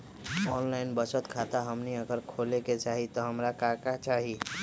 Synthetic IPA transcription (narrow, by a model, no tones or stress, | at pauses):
ɔnlaɪnbət͡ʃət̪kʰat̪aɦəmniəɡəɾkʰoːleket͡ʃaːɦit̪ɔɦəmɾakakat͡ʃaːɦi